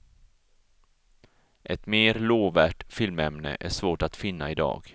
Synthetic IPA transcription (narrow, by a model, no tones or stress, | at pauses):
ʔɛt̪meːɾloːvæːʈfɪlmɛmnə̰ʔæʂvoːʈat̪fɪnːa̰ɪd̪ɑ̰ːɡ